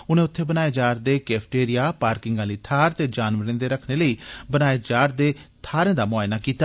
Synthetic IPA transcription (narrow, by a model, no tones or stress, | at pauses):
ʊnẽːʊt̪ʰːeːbənaːeːd͡ʒaːɾd̪eːkɛːpʰʈeːɾɪjaːpaːɾkɪŋɡãːləiːt̪ʰaːɾt̪eːd͡ʒaːnʋəɾẽd̪eːɾəkʰneːləiːbənaːed͡ʒaːɾd̪eːt̪ʰaːɾẽːd̪aːmʊaːɪnaːkiːt̪aː